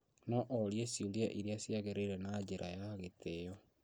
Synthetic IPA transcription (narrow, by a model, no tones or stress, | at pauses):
nɔʔoɾjesiuljaʔiɾiasjaɣeɾeiɾenad͡ʒeɾʔajaɣetejɔ